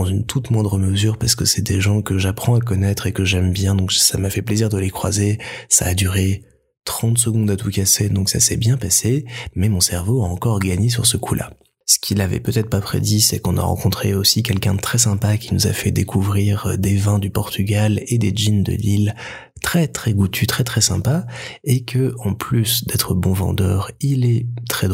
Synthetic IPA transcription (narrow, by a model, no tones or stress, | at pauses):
ɑ̃zynt̪ʰut̪mwɛ̃d̪ʁəməzyʁpaʁsə̥kəsɛd̪eʒɑ̃kəʒapχɑ̃akɔnɛt̪χekəʒɛmbjɛ̃d̪ɔ̃ksamafɛpleziʁd̪əlekχwa̰zesa̰ːd̪yʁe | t̪χɑ̃t̪s̬əɡɔ̃d̪at̪ukased̪ɔ̃ksa̰sɛbjɛ̃pasemɛmɔ̃sɛʁvoaɑ̃kɔʁɡaɲes̬yʁsəkʰulʔa̰ | sə̥kʲʰilavɛ̰pøt̪ɛt̪χpapχḛd̪isɛkɔ̃na̰ʁɑ̰̃kɔ̃t̪χeosikʲɛlkʲɛ̃d̪ət̪χɛsɛ̃pakʲinuza̰fɛd̪ekʰuvʁiʁd̪evɛ̃d̪ypɔʁt̪ʰyɡʲaled̪eʒind̪ə̰lil | t̪χɛt̪χɛɡut̪ʰyt̪χɛt̪χɛsɛ̰̃paekʰəɑ̃plysd̪ɛt̪χəbɔ̃vɑ̰̃d̪œːʁilɛt̪χɛd̪